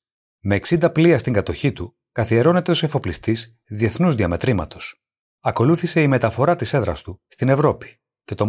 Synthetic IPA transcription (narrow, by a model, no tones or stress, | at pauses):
me̞ːksind̪ɐpliɐst̪iŋɡɐt̪o̞çit̪u | kɐθie̞ɾo̞ne̞t̪e̞ose̞fo̞plist̪iz | ðie̞θnuzðiɐme̞t̪ɾimɐ̰t̪o̞̥s | ɐko̞luθise̞ime̞t̪ɐfo̞ɾɐt̪ise̞ðɾɐ̰st̪ust̪ine̞vɾo̞pi̥ | ce̞t̪o̞